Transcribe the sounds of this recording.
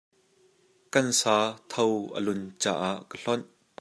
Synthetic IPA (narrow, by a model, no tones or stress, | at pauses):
kɐnsaːt̪ʰɔwʔə̰lʊnt͡sa̰ːʔaʔkəɬɔn